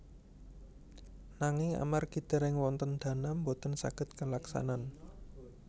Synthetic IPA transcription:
naŋɪŋa̰marɡ̥id̪̥ə̤ɾɪŋwɔnt̪ənd̪̥a̤nambot̪ənsa̰ɡ̥ə̤t̪̚kəlaksa̰nan

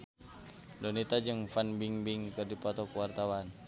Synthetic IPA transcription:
dɔnit̪ad͡ʒɨŋfanbiŋbɪŋkɨrdipɔt̪ɔkəwart̪awan

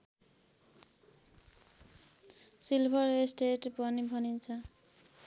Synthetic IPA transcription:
silbʱʌresʈeʈpʌnibʱʌnint͡sʰʌ

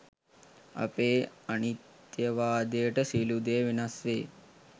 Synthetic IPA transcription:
ɐ̰peːɐɳit̪ | jɐʋaːd̪eːʈɐsiːlud̪eːʋinɐsʋeː

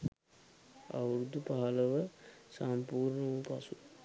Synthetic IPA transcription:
a̰wɾud̪upaɦaləʋəsampuːɾɳəupasu

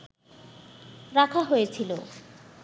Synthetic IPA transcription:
ɾakʰaɦojet͡ɕʰilo

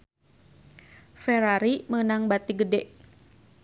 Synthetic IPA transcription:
fɛɾaɾimənaŋbat̪iɡədɛʔ

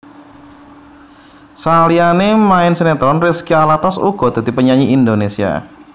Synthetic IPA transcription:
salianemaɪnsənet̪ɾɔnrɪskialat̪asṵɡ̥ɔd̪̥ad̪̥i̤pəɲaɲiːnd̪onesia̰

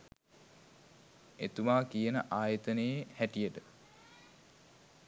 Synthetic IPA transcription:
et̪uʋaːkijənəʔaːjət̪ənəjehæʈijəʈə

